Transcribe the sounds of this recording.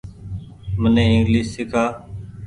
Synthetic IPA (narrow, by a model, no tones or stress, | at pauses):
mənẽːɪŋɡliːssɪkʰaː